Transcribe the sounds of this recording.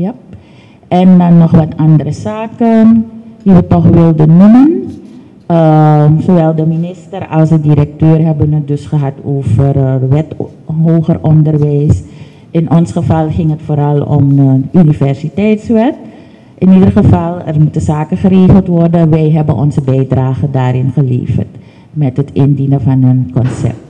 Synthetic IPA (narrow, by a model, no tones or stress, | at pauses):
ja | ʔɛndɑnːɔχʋɑtɑndəɾəzaːkəndiʋətɔχʋɪlˠdənːumən | əsoʋɛlˠdəminɪstərɑlˠsədiɾɛk̚tøːrɦɛbənət̚dɵsχəɦɑtoːvərʋɛt | ɦoːχərʔɔndərʋɛjs | ʔɪnʔɔnsχəvɑlˠχɪŋətfoːɾɑlˠɔ̰məʔynivɛrsitɛjtsʋɛt | ʔɪnidərχəvɑlˠɛ̰rmutəzaːkəχəɾeːχəlˠtʋɔrdəʋɛjɦɛbə̰nʔɔ̰nzəbɛjdraːχədaːɾɪnχəlḛːvə̰rt | mɛtɦətɪndinəfɑnənkɔnsɛ̰p̚t